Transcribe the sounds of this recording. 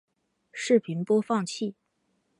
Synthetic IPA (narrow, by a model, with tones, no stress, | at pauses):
ʂɻ̩˥˩pʰi˧˥npwɔ˥fɑ˥˧ŋt͡ɕʰi˥˩